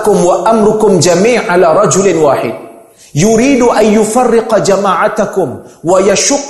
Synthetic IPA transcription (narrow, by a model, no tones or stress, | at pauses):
kʊmwaʔamɾˤʊkʊmd͡ʒamiːʕʕalaːɾˤɑd͡ʒʊlwaːħɪ̰d̪̚ | jʊɾiːd̪ʔanjʊfɑrːɪqd͡ʒamaːʕat̪akʊmwajaʃʊqː